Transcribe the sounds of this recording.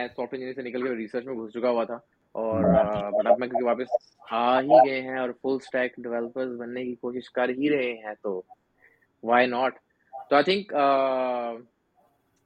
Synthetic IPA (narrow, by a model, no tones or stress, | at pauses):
mɛ̃sɔːfʈɪ̃ɲd͡ʒɪnisenɪkəlkeeɾiːsəɾt͡ʃmẽɡʱʊst͡ʃʊkaɦuat̪ʰaː | ɔːɾbɐʈɐbmɛ̃kjõkiʋaːpɪs | hãɦiɡɐɦeɦɛ̃ɔːɾfʊlsʈɛːkɖɪʋɛːləpəɾzbɐnːekikoːʃɪʃkɐɾɦiɾɐɦeɦɛ̃t̪oː | ʋaːɪnɔːʈ | t̪oaːɪt̪ʰɪ̃ŋkə